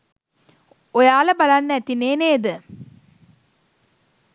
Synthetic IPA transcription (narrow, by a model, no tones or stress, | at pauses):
ojaːləbalanːəæt̪ineːneːd̪ə